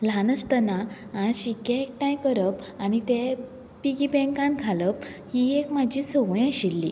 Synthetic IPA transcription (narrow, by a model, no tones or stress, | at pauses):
lanəst̪ənaːɕikeek̚ʈãjkəɾəp | anit̪e | piɡibɛ̃ŋkãnkʰaləphiekmad͡ʑʱit͡səʋə̃jaɕilːḭ